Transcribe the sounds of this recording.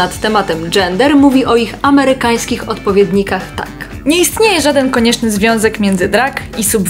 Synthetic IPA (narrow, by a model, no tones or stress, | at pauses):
at̪ːɛmat̪ɛmd͡ʐɛnd̪ɛɾmuvʲiʔɔixamɛɾɘkaj̃skʲixɔt̪pɔvʲjɛd̪ɲikaxt̪a̰k | ɲɛist̪ɲejɛʐad̪ɛnkɔɲɛt͡ʂnɘzvʲjɔ̃w̃zɛkmʲjɛnd̪zɘd̪ɾakisub